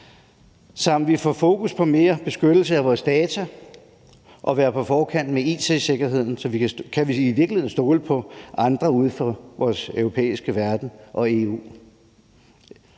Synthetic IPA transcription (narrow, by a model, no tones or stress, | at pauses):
sɑ̈m̰d̥ʋifɒfo̝ːkʰuspʰɒ̽me̝ːɐb̥e̝sɡ̥ød̥l̩səæʋɒːsd̥ɛːt͡sʰæ | ʔɒ̽ʋæːɐpʰɒ̽fɒːkʰæn̰d̥meḭːsʰese̝ɡ̥ɐɦe̝ð̰ˠn̩sɒ̽ʋikʰæʋiiʋiɐɡ̥lieð̰ˠn̩sd̥o̝ːləpʰɒ̽ʔɑ̈nd̥ʁɐuð̞ˠfɒʋɒːsœʊʁo̝pʰḛːisɡ̥əʋæɐd̥n̩ʔɒ̽e̝ːṵː